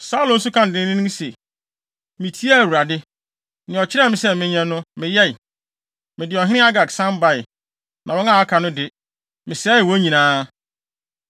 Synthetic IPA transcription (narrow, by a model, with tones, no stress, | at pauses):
sa˦lʊ̃˨n̩˦sʊ˦kʰã˦n̩˨dɪ̃˦nɪ̃˦nʊ̃˦se˨ | mĩ˨tʰi˦a˦˨wu˨ɾa˨dɪ˦ | nɪ̃˨ɔ˨t͡ɕʰɪ˦ɾɛ˦˨mɪ̃˦sɛ˦mɪ̃˦ɲã˦nʊ̃˦mɪ̃˨jɛ˦ɪ˨ | mɪ̃˨dɪ˨ɔ˨ɦɪ̃˦ɪ̃˦a˦ɡa˨ksã˦mba˦˨ɪ˨ | nʔã˨wɔ̃˦nã˦˨a˦kʰa˨nʊ̃˦dɪ˨ | mɪ̃˨sɛː˨˦ɪ˨wɔ˦ɲĩ˨nãː˦